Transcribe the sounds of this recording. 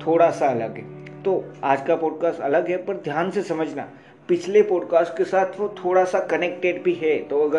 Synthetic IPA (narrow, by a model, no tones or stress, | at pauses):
t̪ʰoːɽasaɐlə̰ɡɦɛt̪oaːd͡ʒkapɔːɖ̚kaːsʈɐləɡɦɛpəɾd̪ʱjaːnsesɐməd͡ʒʱna̰ | pɪt͡ʃʰlepɔːɖkaːsʈkesaːt̪ʰʋot̪ʰoːɽasakɐnek̚ʈeɖbʱiɦɛt̪oɐɡə